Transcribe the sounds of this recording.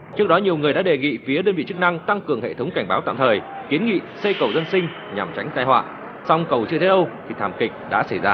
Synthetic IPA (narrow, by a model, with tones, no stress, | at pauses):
t͡ɕɨ˦˥ək̚ɗɔ˨˦ɲi˨˩əwŋ˨˩əjɗa̰ː˧˥ɗe˨˩ŋḭ˧˨fi˨˦əɗəː˧nvḭ˧˨t͡ɕɨ˦˥k̚na˧ŋt̪a˧ŋkɨ˨˩əŋɦḛ˧˨t̪ʰə˨˦wŋ͡mka˧˩ŋ̟ɓaː˨˦wt̪a̰ː˧˨mt̪ʰəː˨˩jki˨˦ənŋḭ˧˨se˧kə˨˩wzə˧nsï˧ŋ̟ | ɲa˨˩mt͡ɕa˨˦jŋ̟t̪aː˧jhwa̰ː˧˨ | sa˧wŋ͡mkə˨˩wt͡ɕɨ˧ət̪ʰe˨˦ʔə˧wt̪ʰi˨˩t̪ʰaː˨˩mkï˨˩k̟̚ɗa̰ː˧˥sa˧˩jzaː˧